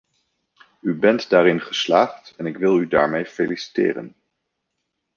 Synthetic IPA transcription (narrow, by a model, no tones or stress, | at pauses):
ybɛntdaːɾɪnχəslaːχtɛnɪkʋɪlˠydaːɹmejfejlisi̥tḛːrə̰n